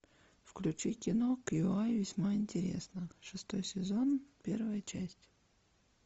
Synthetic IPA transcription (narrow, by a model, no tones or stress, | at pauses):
fklʲʉt͡ɕikʲɪnokjʊajvʲɪsʲmaɪnʲtʲɪɾʲḛsnəʂɨst̪ojsʲɪzonpʲe̞rvəjət͡ɕæsʲtʲ